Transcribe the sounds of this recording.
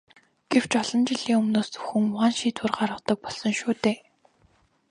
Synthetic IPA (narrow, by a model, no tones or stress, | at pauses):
ɡ̥ew̥t͡ɕɔɮɞ̆nt͡ɕɪɮiːŋɵmnoːst͡sɵ̥xɘ̆ŋʊʁaːnʃiːt̪wʊ̆rɢarʁə̆t̪ə̆k̚pɔɮsɞ̆ŋʃuːt̪eː